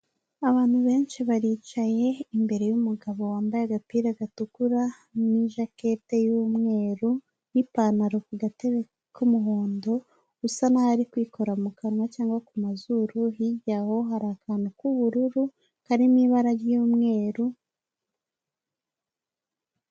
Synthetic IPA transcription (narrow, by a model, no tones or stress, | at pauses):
aβaːn̥huβe̞ːnʃiβaɾiːt͡ʃaje̞imbe̞ɾe̞jumuɡaβo̞waːmbajaɡapiːɾaɡatukuɾa | niʒake̞te̞jumŋe̞ːɾu | nipanaɾokuɡateβe | kumuɦoːndo̞ | ɡusanahaɾikwiːkʰo̞ɾamukanŋwacaːŋɡwakumazuɾuhiɟaho̞ɦaɾaːkanakuβuɾuɾu | haɾimiːβaɾaɾjuːmŋe̞ːɾu